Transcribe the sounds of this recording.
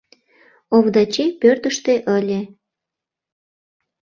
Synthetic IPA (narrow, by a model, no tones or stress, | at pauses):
oβd̪ɑt͡ɕepørt̪əʃt̪eʔəlʲe